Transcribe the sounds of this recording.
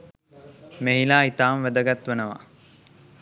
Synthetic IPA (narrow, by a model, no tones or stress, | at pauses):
meɦilaːit̪aːmʋæd̪əɡat̪ʋənəʋa̰